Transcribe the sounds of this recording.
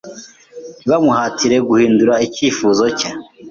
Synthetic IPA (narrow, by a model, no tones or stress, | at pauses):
βamuhaːtiɾe̞ɡuhiːnduɾaiciːfuːzo̞ca